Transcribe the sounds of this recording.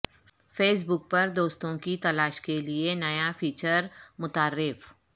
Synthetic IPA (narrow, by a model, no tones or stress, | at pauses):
feːs̬bʊk̚pɐɾd̪oːst̪õkit̪ɐlaːʃkelienɐjafʰiːt͡ʃəɾmʊt̪aːɾːɪf